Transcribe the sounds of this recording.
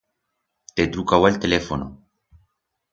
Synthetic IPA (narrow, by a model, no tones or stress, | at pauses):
t̪et̪ɾukawalt̪elefono̰